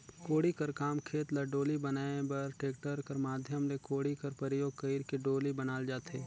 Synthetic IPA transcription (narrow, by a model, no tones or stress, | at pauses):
koːɽikɐɾkaːmkʰeːt̪lɐɖoːlibɐnaːebɐɾʈeːk̚ʈəɾkɐɾmaːd̪ʱjəmlekoːɽikɐɾpɐɾɪjoːɡ̚kəiɾkeɖoːlibɐnaːld͡ʒaːt̪eː